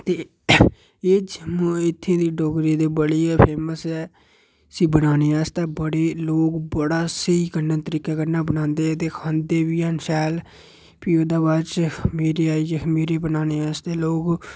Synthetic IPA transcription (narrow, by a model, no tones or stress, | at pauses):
t̪eː | eːd͡ʒm̃ːɪt̪ʰːãːd̪iːɖɔːkɾẽːd̪eːbəɽiːɛːpʰeːməsɛː | əsĩːbənaːneːaːst̪ɛːbəɽeːloːɡbəɽaːsəiːkənːaːt̪əɾiːkaːkənːaːbənãːnd̪eːɛːt̪eːkʰãːnd̪eːʋiːansɛːl | piːoːd̪aːbaːt͡ʃmeːɾeːaːiːd͡ʒmeːɾeːbənaːneːaːst̪eːloːɡ